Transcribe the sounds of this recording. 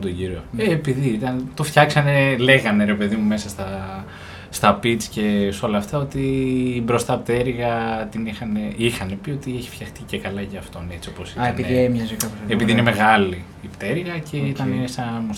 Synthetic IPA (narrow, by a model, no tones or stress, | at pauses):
t̪oɟiɾioːpiðiit̪ɐnt̪o̞fçɐksɐne̞le̞ɣɐne̞ɾe̞pe̞ðimume̞sɐst̪ɐ | st̪ɐpit͡sce̞so̞lɐːft̪ɐo̞t̪ibɾo̞st̪ɐpt̪eɾiɣɐt̪inixɐne̞ixɐne̞pio̞t̪ieçi̥fçɐxt̪icekɐlɐʝɐːft̪one̞t͡sio̞po̞sienpiðiemjɐzkɐpepiðiineme̞ɣɐliːpt̪e̞ɾiɣɐcʰe̞it̪ɐnesɐns